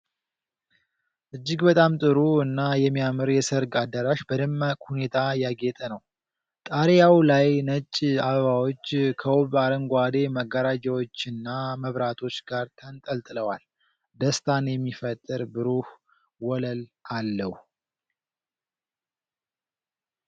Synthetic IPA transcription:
ʔɨd͡ʒːɪɡbət̪ʼamt̪ʼɨɾuɨnːajɛmːijamɨɾjɛsəɾɡad̪əɾaʃbəd̪ɨmːakʼhune̞t̪ʰajaɡet̪ʼənəw | t̪ʼaɾjawlajnət͡ʃʼːaβəβawo̞t͡ʃːkʰəwoβaɾəŋɡʷad̪e̞məɡːəɾad͡ʒəwo̞t͡ʃːɨnːaməβɾat̪ʰo̞t͡ʃːɡaɾt̪ʰənt̪ʼəlt̪ʼɨləwal | d̪əst̪ʰanjɛmːifət̪ʼːɨɾbɨɾuh | wɔləlʔalːəh

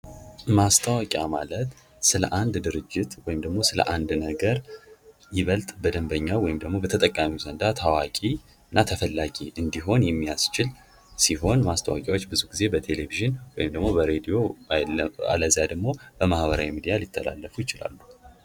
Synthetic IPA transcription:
mast̪ʰəwakʼjamalət̪ | sɨlə̰ʔand̪d̪ɨɾɨd͡ʒːɪt̪wɔjɪmd̪əɡmo̞sɨlə̰ʔand̪nəɡəɾ | jɪβəlt̪ʼbəd̪əmbəɲːawɔjɪmd̪əɡmo̞bət̪ʰət̪ʼəkʼːamiwzənd̪at̪ʰawakʼi | ɨnːat̪ʰəfəlːaɡiʔɨnd̪iɦo̞njɛmːijast͡ʃɪl | siɦo̞nmast̪ʰə̰wa̰kʼjawo̞t͡ʃːbɨzuɡize̞bət̪ʰe̞le̞viʒɪnwɔjɪmd̪əɡmo̞bəɾed̪ijo̞ | a̰ləzijad̪əɡmo̞bəmahbəɾa̰wimid̪ijalit̪ʰːə̰la̰lːəfujɪt͡ʃɪla̰lːu̥

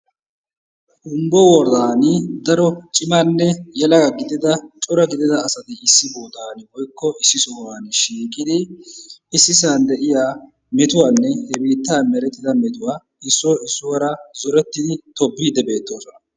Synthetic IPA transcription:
ʔʊmbɔwɔɾd̪aːnɪd̪ɐɾɔt͡ʃʼɪmanːɛjɛlɐɡɐɡɪd̪ɪd̪ɐt͡ʃʼɔɾɐɡɪd̪ɪd̪ɐːsɐt̪ɪɪsːɪboːt̪aːnwɔjkːɔɪsːɪsoːɾaːnʃiːkʼɪd̪ɪ | ɪsːɪsaːnd̪ɛʔɪjaː | mɛt̪ʊwaːnːɛhɛbiːt̪ːaːmɛɾɛt̪ːɪd̪ɐmɛt̪ʊwaː | ɪsːɔɪsːʊwɐɾɐzɔɾɛt̪ːɪd̪ɪt̪ɔbːiːd̪ɛbe̞ːt̪ːo̞ːsɔnɐ

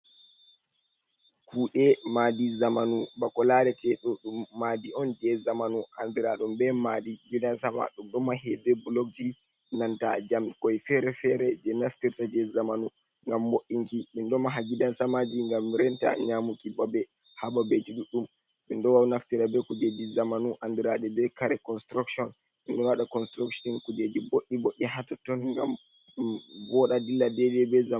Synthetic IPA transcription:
kʰuːɗɛmadizamanubakɔlaɾɛtɛɗɔɗumːadiɔnd͡ʒɛzamanuʔambiɾaɗɔmbɛmadiɡidansama̰ɗumɗɔmaɦɛdɛbulok̚d͡ʒi | nanta̰d͡ʒamkɔjfɛɾɛfɛɾɛd͡ʒɛnaftiɾtad͡ʒɛzamanu | ŋɡamːoʔiŋkiminɗɔmaɦaɡidansamad͡ʒiŋɡamːɾɛnta̰ɲamukibabɛ | hababed͡ʒiɗuɗum | mindɔwawnaftiɾabɛkud͡ʒed͡ʒizamanuʔandiɾaɗɛbɛkaɾɛkɔnstɾakʃɔn | minɗɔnwaɗakɔnstɾukʃɔnkud͡ʒed͡ʒiboʔːiboʔːiɦatɔtɔnŋɡam | vɔɗadilːadɛd͡ʒɛbɛza

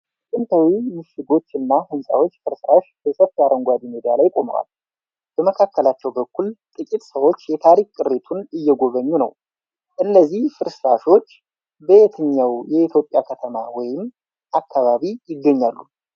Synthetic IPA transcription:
kʼɨnt̪ʰawimɨʃɪɡo̞t͡ʃːɨnːahɨnsʼa̰wo̞t͡ʃːfɨɾsɨɾaʃbəsəft̪jaɾəŋɡʷad̪imid̪ijalajkʼo̞mə̰wa̰l | b̥əməkʰakːəlat͡ʃːɛwbəkʰːult̪ʼɨkʼit̪ʼsəwo̞t͡ʃːjɛt̪ʰaɾikʼkʼːɨɾːet̪ʰunɨjːɛɡo̞βəɲːunə̰w | ʔɨnːəzːihfɨɾsɨɾaʃot͡ʃː | bəet̪ʰɨɲːawjɛit̪ʰjopʼjakʰət̪ʰəmawɔjɪm | ʔakʰːaβaβijɪɡːəɲːalːu

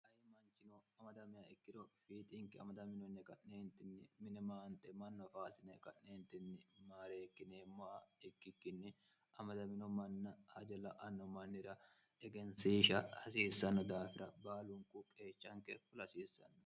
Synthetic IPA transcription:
ʔɐjɪmɐnt͡ʃɪnɔɐmɐd̪ɐmɪɐɪkːɪd̪ɔfiːt̪ʼɪŋkɪɐ̰mɐd̪ɐmɪnɔnːɛkɐnneːnt̪ɪnːɪmɪnɛmaːnt̪ʼɛmɐnːɔfaːsɪnɛkɐnneːnt̪ɪnːɪmaːɾeːkːɪneːmːɔʔɐɪkːɪkːɪnːɪ | ʔɐmɐd̪ɐmɪnɔmɐnːɐhɐd͡ʒɐlɐʔɐnːɔmɐnːɪɾɐ | ɛɡɛnsiːʃɐhɐsiːsːɐnːɔd̪aːfɪɾɐbaːlʊŋkʼukʼeːt͡ʃːɐŋkɛfʊlɐsiːsːɐ̰nːɔ̥

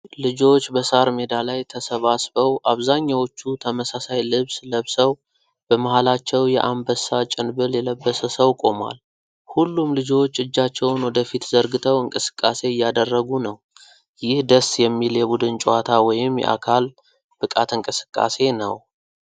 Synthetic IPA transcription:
lɨd͡ʒo̞t͡ʃːbəsaɾmed̪alajt̪ʰəsəβasbəwʔaβzaɲːawo̞t͡ʃːut̪ʰəməsasajlɨβsləβsəw | b̥əmahalat͡ʃːɛwjɛʔambəsat͡ʃʼɪnbɨljɛləbːəsəsəwkʼo̞ma̰l | hulːumlɨd͡ʒo̞t͡ʃːɨd͡ʒːat͡ʃːɛwnwɔd̪əfit̪zəɾɡɨt̪ʰəwɨŋkʼɨsɨ̥kʼːase̞ɪjːad̪ərːəɡunəw | jɪhd̪əsjɛmːiljɛbud̪ɨnt͡ʃʼowat̪ʰawɔjɪmjɛ̰ʔa̰kʰal | b̥ɨkʼat̪ɨŋkʼɨsɨ̥kʼːa̰se̞nə̰w

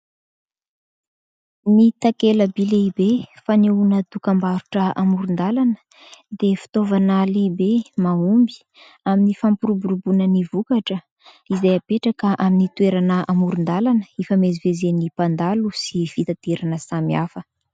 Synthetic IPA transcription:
mit̪akeləbileibefaneunəd̪ukambaɾuʈ͡ʂəamuɾund̪alanə̥ | d̪efi̥t̪ovanalibemaumbi̥ | aminifampuɾubuɾubunənivukaʈ͡ʂə | izajapeʈ͡ʂakəʔaminit̪ueɾanəʔamuɾund̪alanəifamezivezenipand̪alusiv̥it̪at̪eɾanəsamiafə

